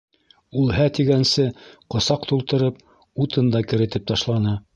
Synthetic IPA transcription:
ulˠɦæt̪iɡænsɘqŏsɑqt̪ulˠt̪ɤ̆ɾɤp̚ | ut̪ʰɤnd̪ɑkɘ̆ɾɘ̆t̪ɘp̚t̪ɑʃlˠɑnɤ

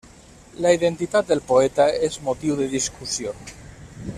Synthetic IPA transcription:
laiðent̪it̪at̪̚d̪elpoet̪aezmot̪iwðeðiskusjon

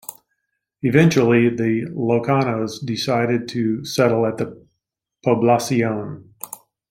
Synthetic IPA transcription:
ɨvɛ̃nt͡ʃl̩ˠiðɨloʊkʰɑnoʊzdɨsaɪɾɨd̚tʰɨsɛɾl̩ˠət̪̚ðɨ | pʰoblɑsiõʊ̃n

